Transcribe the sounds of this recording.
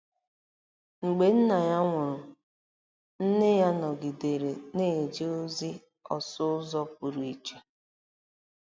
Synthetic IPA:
ŋ͡m̩˨ɡ͡be˨n̩˦na˨ja˦ŋʷʊ˨ɾʊ˨ | n̩˦nɪ˦ja˦nɔ˨ɡi˨de˨ɾe˨ne˦˨d͡ʒe˦o˦zi˦ | ɔ̰˨sʊ˦ʊ˦zɔ˦p̚ʊ˨ɾu˨i˨t͡ʃe˨

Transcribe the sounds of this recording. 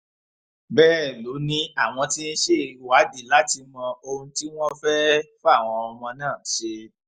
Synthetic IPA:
bɛː˦˨lo˨˦nĩ˦a˦˨w̃ɔ̃˧ti˦n̩˦ʃe˦˨wa˨˦di˨la˨˦ti˧mɔ̃˧o˧ũ˧ti˦w̃ɔ̃˦fɛ˦fa˦˨w̃ɔ̃˧ɔ˧mɔ̃˧nãː˦˨ʃe˧

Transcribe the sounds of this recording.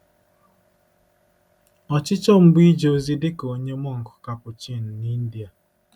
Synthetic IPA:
ɔ˨t͡ʃɪ˦t͡ʃɔ˦m̩˦bi˦d͡ʒo˨˦zi˦dɪ˦ko˨˦ɲe˦m˦ɔ˦ŋ̩˨kʊ̥˨ka˨pʊ˨t͡ʃi˦˨n̩˨ni˦n̩˦di˨a˨

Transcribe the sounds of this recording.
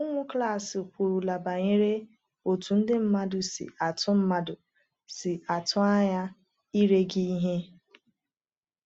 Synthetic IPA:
ʊ˦ŋʷʊ˦kla˦˨sɪ˨kʷu˨ɾu˨la˨ba˨ɲe˦ɾe˦ | o˨tu˨n̩˦dɪ˦m̩˦ma˦dʊ˨sɪ̰˨a˨tʰʊ˦m̩˦ma˦dʊ˨ | sɪ˨ʔa˨tʰʊ˦a˦ɲa˦ | i˦ɾe˦ɡi˦ɦe˦

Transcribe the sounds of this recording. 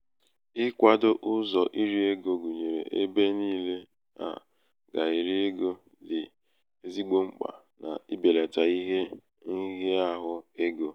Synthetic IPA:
ɪ˦kʷa˨dʊ˦ʔʊ˦zɔ˨ʔi˦ɾi˦e˦ɡo˨ɡu˨ɲe˨ɾḛ˨ʔe˦be˦niː˦le˦ | a̰˨ | ɡa˨i˨ɾi˦e˦ɡo˦ | dɪ˨ | e˦zi˦ɡ͡bo˦ŋ͡m̩˦k͡pa̰˨ | na̰˨i˦be˨le˨ta˨i˦ɦe˦ | i˦ɦe˦a˦ɦʊ˦e˦ɡo˨

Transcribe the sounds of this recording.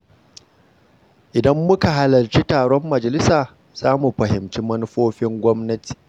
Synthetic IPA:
ʔɪ˨dɐ˦mːʊ˦ka˨ɦa˨lɐ˨rt͡ʃi˦taː˨ɽɔ˦mːɐ˨d͡ʒɐ˨lɪ˦saː˨ | z̥aː˦mu˨ɸɐ˨hɪ˨mt͡ʃi˦mɐ˦nʊ˦ɸoː˦ɸɪ˦ŋɡʷɔ˦mnɐ˦ti̥ː˨

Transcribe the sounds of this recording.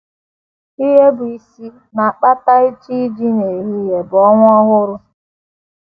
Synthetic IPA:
i˦ɦe˦bʊ˨i˨si˦ | na˨k͡pa˦ta˦i˦t͡ʃi˦d͡ʒi˦ne˨ɦi˦je˨bɔ˦ŋʷʊ˦ɔ˦ɣʊ˦ɾʊ˦

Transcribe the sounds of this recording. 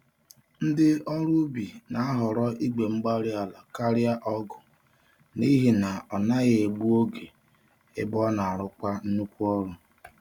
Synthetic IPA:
n̩˦dɪ˦ɔ˦ɾʊ˦bi˨na˨a˦ɦɔ˨ɾɔ˦ʔi˦ɡ͡be˨ŋ͡m̩˦ɡ͡ba˦ɾɪ˦a˨la˨ka˦ɾɪ˦a˦ʔɔ˦ɡʊ˨ | ni˦ɦi˨na˨ɔ˨na˦ɣɪ˦e˨ɡ͡bu˦o˦ɡe˨ | ɪ̰˦bɔ˦na˨a˨ɾʊ˦kʷa˦n̩˦nu˦kʷu˦ɔ˦ɾʊ˨

